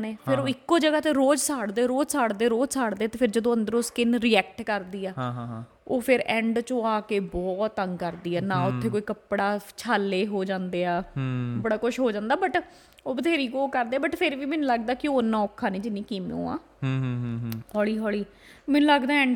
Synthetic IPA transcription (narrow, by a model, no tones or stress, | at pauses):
neːpʰɪɾoːɪkːoːd͡ʒəɡaːt̪eːɾoːd͡ʒsaːɽd̪eːɾoːd͡ʒsaːɽd̪eːɾoːd͡ʒsaːɽd̪eːt̪eːpʰɪɾd͡ʒəd̪õːə̃nd̪əɾʊskɪnɾiːɛːk̚ʈkəɾd̪iːɛːɦ | oːpʰɪɾɛ̃ːɳɖt͡ʃõːaːkeːbɔːt̪ːəŋɡkəɾd̪iːɛːnãːʊt̪ʰːeːkoːiːkəpɽaːt͡ʃʰaːlːeːɦoːd͡ʒãːnd̪eːaːbəɽaːkʊʃɦoːd͡ʒãːnd̪aːbəʈ | oːbət̪ʰeːɾiːɡoːkəɾd̪eːɛːbəʈpʰɪɾʋiːmɛːnũːləɡd̪aːkɪoːnːãːɔːkʰːãːnẽːd͡ʒɪnːĩːkiːmõ̰ːã̰ː | hɔːɭiːɦɔːɭiː | mɛːnũləɡd̪aːɛ̃ːɳɖ